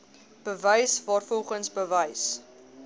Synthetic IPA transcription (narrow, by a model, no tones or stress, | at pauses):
b̥əvəjsvɑːrfɔlˠχənsbəvəjs